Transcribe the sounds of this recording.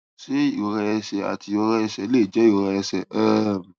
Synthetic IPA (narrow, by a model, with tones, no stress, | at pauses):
se˦i˦˨o˧ɾɛ˧ɛ˧sɛ˧a̰˨ti˧o˧ɾɛ˧ɛ˧sɛ˧˦le˦˨d͡ʒɛ˨˦i˦˨o˧ɾɛ˧ɛ˧sɛ˨ɛ˦˨